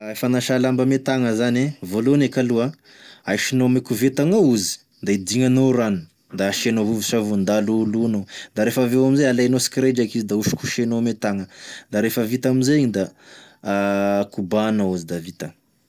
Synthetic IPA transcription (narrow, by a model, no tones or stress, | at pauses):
fanaʃalambəmet̪aŋəzanevolonekalua | ajʃinomekuvet̪aŋouzi̥ | d̪aid̪iŋanoɾani | d̪aʃenoɦuvusavund̪alulunod̪aɾefavewaminzejalajnosi̥kɾed͡ʒakizid̪auʃi̥kuʃenomet̪aŋəd̪aɾefəvit̪aminzeiɲid̪a | kubanauzid̪avit̪ə